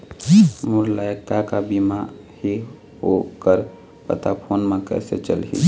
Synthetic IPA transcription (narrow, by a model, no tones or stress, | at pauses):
muɾlajək̚t̪akabima | hi | ɦokəɾ | pə̰t̪apʰoːnmẽkɛ̰sḛt͡ʃə̰lɦḭ